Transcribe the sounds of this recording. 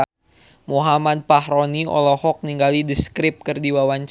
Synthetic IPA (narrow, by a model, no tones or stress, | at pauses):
muɦamad̪̚pahɾoniɔ̰lɔhɔk̚niŋɡalidiskɾɪp̚kɨrdiwawaɲt͡ʃ